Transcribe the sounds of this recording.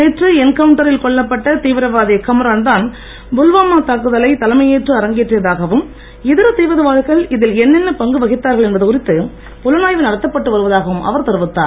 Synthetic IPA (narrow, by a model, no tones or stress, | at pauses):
eːʈrɯɛnkɐʋʊɳʈɐɾɪlkɔɭːɐpːɐʈːɐt̪iːʋɪɾɐʋaːðɪjɐkːɐmɐɾaːnd̪aːn | bʊlʋaːmaːt̪aːkɯðɐlɐɪt̪ɐlɐmɐjeːʈrɯɐɾɐŋɡɪʈrɯjɐðaːɣɐʋɯm | ɪðɪɾɐt̪iːʋɐðɐʋaːðɯɣɐɭɪðɪlɛnːɛnːɐpɐŋɡɯʋɐɣɪt̪ːaːɾɣɐɭɛnbɐðɯkʊɾɪt̪ːɯ | pɔlɐnaːjʋɪnɐɽɐt̪ːɐpːɐʈːɯʋɐɾɯʋɐðaːɣɐʋɯmʔɐ̰ʋɐɾt̪ɐɾɯʋɯt̪ːa̰ːɾ